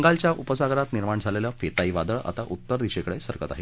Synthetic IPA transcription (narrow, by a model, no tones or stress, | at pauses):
ŋɡalt͡ɕjaʔupəsaɡɾat̪niɾmaɳd͡zʱaleləfet̪aiʋad̪əɭa̰t̪aʔut̪ːəɾd̪iɕekəɽesəɾkət̪a̰ɦe